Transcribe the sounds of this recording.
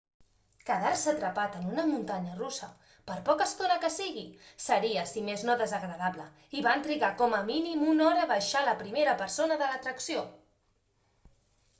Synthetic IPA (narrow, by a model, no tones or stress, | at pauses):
kəðaɾsət̪ɾəpat̪ənunəmunt̪aɲərusə | pəɾpɔkəst̪onəkəsiɣisəɾiəsimeznoðəzəɣɾəðaβlə | iβant̪ɾiɣakɔməminimunɔɾəβəʃaləpɾimeɾəpəɾsonəðələt̪ɾəksio